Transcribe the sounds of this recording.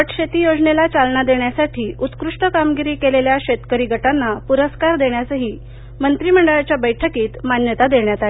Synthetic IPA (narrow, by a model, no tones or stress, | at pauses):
ʋəʈɕet̪ijod͡zɳelat͡salnad̪eɳjasaʈʰiːut̪kɾuʂʈəkamɡiɾiːkeleljaɕet̪kəɾiːɡʱəʈanːapuɾəskaɾd̪eɳjasəɦiː | mənt̪ɾiːm̤əɳɖəɭat͡ɕjabəjʈʰəkiːt̪manjət̪ad̪eɳjat̪ae